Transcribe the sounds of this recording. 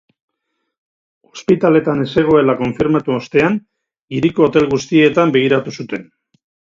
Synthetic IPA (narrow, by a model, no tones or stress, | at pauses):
o̞spit̪ale̞t̪ane̞se̞ɣ̞o̞e̞lako̞ɱfiɾmat̪uost̪e̞an | iɾiko̞ːt̪e̞lɣust̪ie̞t̪ambe̞ɣ̞iɾat̪usut̪e̞n